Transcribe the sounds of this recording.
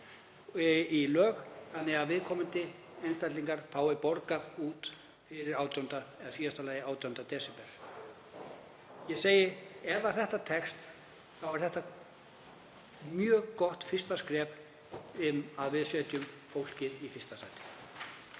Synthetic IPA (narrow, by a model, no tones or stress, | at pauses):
ilœːɣθanːɪɣaðvɪðkʰɔːmʏnt̪ɪ | ejnst̪ajt̪liŋkaɾ̥faːwɪpɔɾkaðuːt̪ | fɪɾɪɾaːwt̪jɔnt̪aɛðasiːðast̪alaːjɪaːwt̪jɔnt̪at̪ɛːsɛpɛɾ̥ | jɛseːjɪɾɛvḁθɛht̪at̪ʰɛkst̪ | θawɛɾ̥θɛht̪a | mjœːɣkɔht̪fɪst̪askɾɛːp̪ | ɪmaðvɪðsɛːt̪jʏm | fowl̥cɪðifɪst̪asajt̪ɪ̥